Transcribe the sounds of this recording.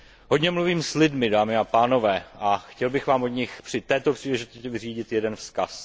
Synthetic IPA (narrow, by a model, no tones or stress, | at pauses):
ɦodɲɛmluviːmslɪdmɪdaːmɪapaːno̞vɛːʔaxcɛlbɪxvaːmodɲɪxpr̥ɪt̪ɛːt̪opr̝̥iːlɛʒɪt̪oscɛvɪriːɟɪt̪jɛdɛnfskas